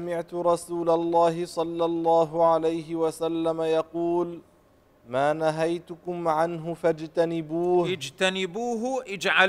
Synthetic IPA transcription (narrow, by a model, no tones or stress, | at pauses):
amɪʕt̪ʊɾˤɑsuːlalˤːɑːɦɪsˤɑlːɑlˤːɑːɦʊʕalajɦɪwasalːamajɑquːl | maːnaɦajt̪ʊkʊmʕanɦʊfad͡ʒt̪anɪbuːhɪd͡ʒt̪anɪbuːɦʔɪd͡ʒʕa